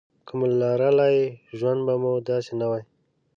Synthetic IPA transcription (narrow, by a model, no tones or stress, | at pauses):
kʰʊmlɑɾalajʒwand̪bamud̪ɑsenawaj